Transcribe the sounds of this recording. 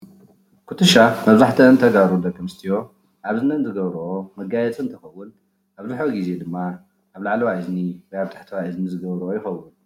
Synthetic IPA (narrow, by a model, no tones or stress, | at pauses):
kʰut̪ʰɨʃamɐβzaħt̪ʰɐɨnt̪ʰɐɡaɾudɐkʰɐmɨst̪ʰijo̞ | ʔaβzɨnɐnzɨɡɐβɾuʔomɐɡajɛt͡sʼɨnt̪ʰɐxɐwːʊn | ʔaβzɨħoɡize̞d̪ɨmːa | ʔaβlaʕlɐwaʔɨzniwɔjaβt̪ʰḁħt̪ʰɐwaʔɨznizɨɡɐβɾuʔojɪxɐwːʊn